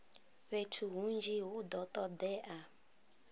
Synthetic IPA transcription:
ɸetʰuɦund͡ʒiɦʊd̪ɔtɔdɛʔa

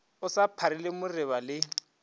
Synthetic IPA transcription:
ʊsapʰaɾɪlɪmʊrɪβalɪ

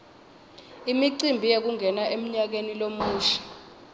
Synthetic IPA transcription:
imiǀimbʱijek̬uŋʱɛnaʔem̩ɲak̬enilomuːʃḁ

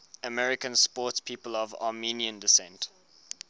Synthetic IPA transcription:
əmɛɹɪkə̃nspɔˑtspʰiːpəlɔvɑ̰ːmiːniə̃ndɪsɛ̃nt

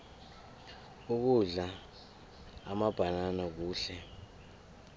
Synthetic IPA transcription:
uk̬uɮa | mab̥ʱananak̬uːɬɛ

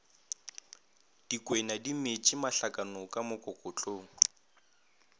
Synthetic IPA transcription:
d̥ikʼwɛnadimet͡ʃʼɪmaɬakʼanɔkʼamʊkʼɔkʼʊt͡ɬʼoːŋ̩

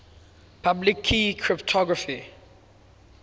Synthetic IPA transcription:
pʰablikʰːikʰɹɪptʰɔɡɹəfi

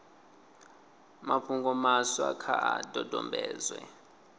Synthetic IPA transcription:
mapʰuŋɡɔmaswakʰaʔadʱɔdʱɔmbʱɛːzwɛ

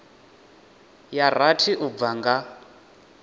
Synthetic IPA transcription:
jar̤atʰiʔub̪vaŋɡa

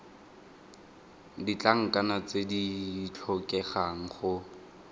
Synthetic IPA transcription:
dit͡ɬʼaŋ̩kʼanat͡sedit͡ɬʰɔkʼɛχaŋ̩χʊ

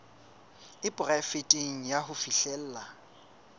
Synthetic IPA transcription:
ɪpʼʊrafɪtʼeŋ̩jaɦʊfiɬɛl̩ːla

